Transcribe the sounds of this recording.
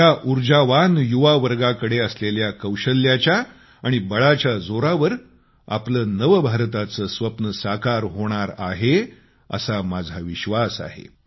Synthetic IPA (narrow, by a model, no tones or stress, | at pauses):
jaʔuɾd͡ʑaʋanjuʋaʋəɾɡakəɽeəsleljakəwɕəljat͡ɕjaː | ɽ̃ibəɭat͡ɕjad͡zoɾaʋəɾ | a̰pləːnəʋbʱaɾt̪at͡səːsʋəpnəsakaɾɦoɽ̃aɾa̰ɦe | ə̰samad͡zʱaʋiɕʋasa̰ɦḛ